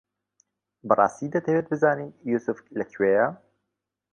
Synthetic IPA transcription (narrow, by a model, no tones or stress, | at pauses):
bɨrˤɑ̰ːst̪iːd̪ɐt̪ʰɐweːt̪̚bɨzaːniːnjuːsʊflɐkʰweːja